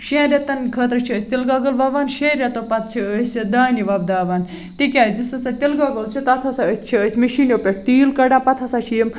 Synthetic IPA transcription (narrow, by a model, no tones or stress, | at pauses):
ʃẽːɾʲet̪ɐnkʰət̪ɾɨt͡ʃʰiəsʲt̪ilɡɐɡɐlʋɐːʋaːnʃeːɾʲjɐt̪opɐt̪̚ʰt͡ʃʰiəsʲd̪aːniʋɐb̚d̪aːʋaːn | t̪ikʲaːzisɐsɐt̪ilɡɐɡɐlt͡ʃʰit̪ɐt̪ʰɐsɐəsʲt͡ʃʰiəsʲmiʃiːnopʲeʈ̚ʰt̪iːlkɐɖãpɐt̪ʰɐsat͡ʃʰijəm